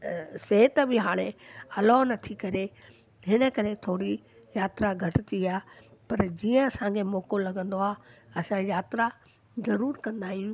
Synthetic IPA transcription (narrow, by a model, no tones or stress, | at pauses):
seːt̪bɪɦaːɽ̃eɐlɔnɐt̪ʰikɐɾe | ɦɪnə̆kɐɾet̪ʰoːɽi | jaːt̪ɾaɡʱɐʈɪt̪iaːpɐɾd͡ʑiːə̃ɐsãːɡʰemɔːkolɐɡə̃nd̪oaːɐsãjaːt̪ɾa | zɐɾuːɾkɐ̃nd̪aːɦijũ